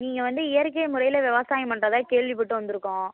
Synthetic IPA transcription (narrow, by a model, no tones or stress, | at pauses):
niːŋɡɐʋɐnd̪ɯɪjɐɾk̬ːɐjmʊɾɐɪjɪlɐʋɪʋɐsaːjɐmpɐɳrɐðaːkeːɭʋip̬ɔʈːɯʋɐnd̪ɯɾɯkːõː